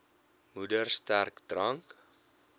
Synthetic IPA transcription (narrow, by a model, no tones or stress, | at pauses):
mudərstærkdrɐŋk